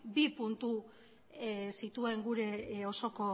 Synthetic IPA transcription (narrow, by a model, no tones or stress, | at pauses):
bipunt̪u | sit̪ue̞ŋɡuɾe̞o̞so̞ko̞